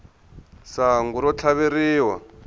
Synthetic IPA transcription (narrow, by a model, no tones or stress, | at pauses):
saŋɡuɾɔt͡ɬʰaβeɾiːwa